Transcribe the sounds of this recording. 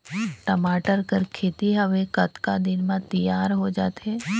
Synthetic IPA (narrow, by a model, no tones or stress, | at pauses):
ʈɐmaːʈəɾkəɾkʰeːt̪iɦəʋekɐt̪kad̪ɪnmãt̪ijaːɾɦod͡ʒaːt̪eː